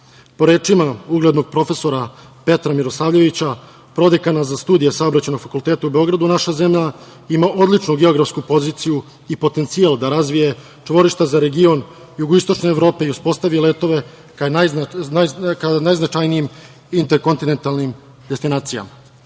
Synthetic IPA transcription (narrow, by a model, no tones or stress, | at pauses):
po̞ɾe̞ːt͡ʂimauɡled̪no̞ɡ̥̚pɾo̞fe̞so̞ɾa | pe̞t̪ɾamiɾosaːʋʎe̞ʋit͡ɕa | pɾo̞d̪ekanazast̪uːd̪ijesao̞bɾat͡ɕe̞no̞ɡ̥fakulˠt̪et̪aube̞o̞ɡɾad̪unaʃaze̞mʎa | imaʔo̞d̪lˠit͡ʂnuɡe̞o̞ɡɾafskupo̞zit̪siju | ipo̞t̪e̞nt̪siald̪aɾazʋije̞ | t͡ʂʋo̞ɾiʃt̪azaɾe̞ɡio̞n | juɡoist̪o̞t͡ʂne̞ːvɾo̞ːpe̞iuspo̞st̪aʋile̞ːt̪o̞ʋe̞ | kna | kanajznat͡ʃajniim | int̪eɾko̞nt̪ine̞nt̪alˠnim | d̪est̪inaːt̪sija̰ma